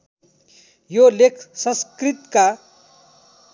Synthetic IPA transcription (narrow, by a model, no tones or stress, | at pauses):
jolekʰsə̃skɾit̪ka